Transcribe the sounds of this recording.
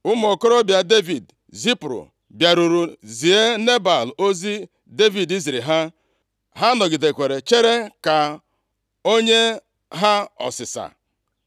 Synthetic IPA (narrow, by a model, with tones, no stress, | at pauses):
ʊ˦m˦o˨ko˦ɾo˦bja˨de˦vi˨d | zi˦pɾo̰˨ | bja˨ɾu˨ɾu˨zi˨e˦ne˦ba˨lo˦zi˦ | de˦vi˨di˦zi˨ɾi˨ɦa˦ | ɦa˦nɔ˨ɡɪ˨de˨kʷe˨ɾe˨t͡ʃe˦ɾe˦ka˨ | o˦ɲe˦ | ɦa˦ɔ̰˨sɪ˨sa̰˨